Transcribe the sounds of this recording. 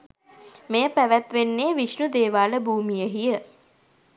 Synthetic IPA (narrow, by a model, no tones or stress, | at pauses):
mejəpæʋæt̪ʋenːeːʋiʃnud̪eːʋaːləbʱuːmijəɦijə